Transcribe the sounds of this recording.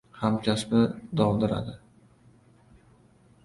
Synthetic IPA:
hamkʰʲasbɪd̪ɒwd̪ɪɾa̰d̪ɪ

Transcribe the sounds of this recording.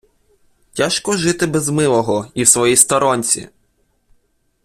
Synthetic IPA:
tʲaʃkɔʒɪt̪ɪbɛzmɪlˠɔɦɔiwsʋɔjist̪ɔɾɔnʲt͡sʲḭ

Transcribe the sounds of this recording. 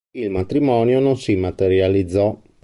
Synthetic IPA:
ilmat̪ɾimɔːnjononsimat̪eɾjalid̪zːɔ

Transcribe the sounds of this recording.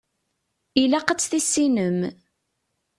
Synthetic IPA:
ilæqət͡sːθisːinəm

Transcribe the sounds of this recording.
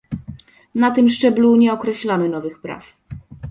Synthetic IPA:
nat̪ɘmʂt͡ʂɛbluɲɛɔkɾɛɕlamɘnɔvɘxpɾa̰f

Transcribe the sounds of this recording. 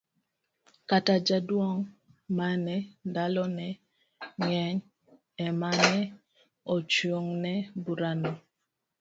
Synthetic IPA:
katad͡ʒadwɔŋmanɛdalɔnɛ | ŋɛɲ | ɛmanɛ | ɔt͡ʃwoŋnɛbuɾanɔ

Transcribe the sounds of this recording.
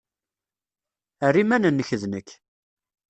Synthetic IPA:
ərimænənːəçðnəkː

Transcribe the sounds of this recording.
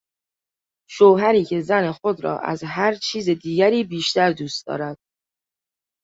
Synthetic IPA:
ʃoːɦæɾiːcʰe̞zæne̞xo̞d̪ɾɒ̰ːʔæ̰zɦæɾt͡ʃʰiːze̞d̪iːɡæɾiːbiːʃt̪æɾd̪uːst̪d̪ɒ̰ːɾæd̪̥̚

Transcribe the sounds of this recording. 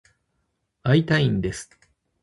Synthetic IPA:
ait̪aĩnd̪e̞sɨ̥

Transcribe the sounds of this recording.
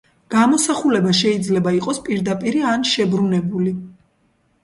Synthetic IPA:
ɡ̥amɔsaχulɛbaʃɛid̪zlɛbaiqʼɔspʼiɾd̪apʼiɾianʃɛbɾunɛbuli

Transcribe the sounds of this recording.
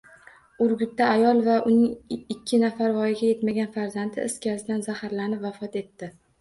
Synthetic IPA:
ʊɾɡʲʊt̪ːaːjɒlˠvaʔʊnɪŋɪkʲʰːɪnafaɾvɒjɪɡʲaje̞t̪maɡʲanfaɾzant̪ʰɪɪskʲasɪd̪anzahaɾlanɪpvafɒt̪e̞t̪ːɪ

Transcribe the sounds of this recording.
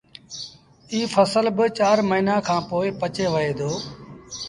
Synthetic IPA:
iːfʰəsəlbɪt͡ʃaːɾməɦiːnaːkʰãːpoːɪpət͡ʃeːʋəeːd̪ʱoː

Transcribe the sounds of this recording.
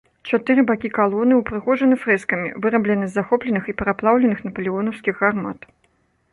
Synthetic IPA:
t͡ʂat̪ɨɾɨbakʲikalˠɔnɨwpɾɨɣɔʐɐnɨfɾɛskɐmʲḭvɨɾɐblʲɛnɨzːaxɔplʲɛnɨxipʲɛɾaplˠawlʲɛnɨxnɐpɐlʲiɔnɐwskʲiɣɣarma̰t̪

